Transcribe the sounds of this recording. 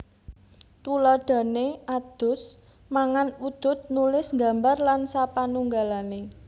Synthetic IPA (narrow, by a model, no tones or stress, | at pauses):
t̪ulɔɖ̪̥a̤nead̪̥ʊ̤s | maŋanud̪̥ʊ̤t̪̚nulɪsŋɡa̤mbarlansapanuŋɡalane